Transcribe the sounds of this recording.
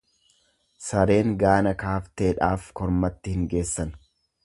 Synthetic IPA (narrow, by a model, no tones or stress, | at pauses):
sɐɾe̞ːŋɡaːnɐkaːft̪e̞ːᶑaːfkɔɾmɐt̪ːɪhɪŋɡe̞ːsːɐn